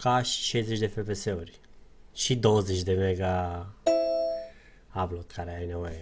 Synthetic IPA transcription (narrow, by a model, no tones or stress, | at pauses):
kaʃi̥ʃejzet͡ʃʲd̪e̞fepeseurʲʃid̪owəzet͡ʃd̪e̞meɡa | avlot̪kʰaɾeajnevo̞je